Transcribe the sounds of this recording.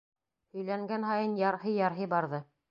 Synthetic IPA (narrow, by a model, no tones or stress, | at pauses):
hɵ̆jlæŋɡænɦɑjɤnjɑɾhɤjɑɾɦɤbɑɾðɤ